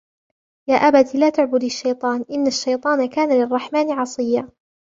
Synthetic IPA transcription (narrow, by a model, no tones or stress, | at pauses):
jaːʔabat̪ilaːt̪ʊʕbʊd̪ɪʃːɑjt̪ˤɑːnʔɪnːaʃːɑjt̪ˤɑːnakaːnalɪrˤːɑħmaːnʕɑsˤɨjːa